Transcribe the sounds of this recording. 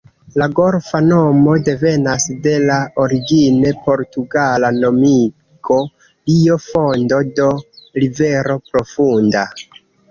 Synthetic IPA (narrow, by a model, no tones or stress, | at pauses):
laɡoɾfano̞mo̞de̞ve̞nasde̞laoɾiɡine̞po̞ɾtuɡalano̞mi | ko̞ | liofo̞ndo̞do̞ɾive̞ɾo̞pɾo̞funda